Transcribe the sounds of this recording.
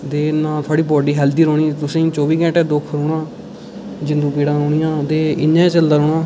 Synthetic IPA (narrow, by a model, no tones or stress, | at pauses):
d̪eːnãːt̪ʰʊaːɽiːbɔːɖiːɦɛːld̪iːɾoːɳiːt̪ʊsẽːt͡ʃɔːbiːkɛ̃ːʈɛːd̪ʊkʰɾoːɽãː | d͡ʒɪnd̪ũːpiːɽãːɾoːnɪjãːt̪eːɪɲːãːĩːt͡ʃəld̪aːɾoːnaː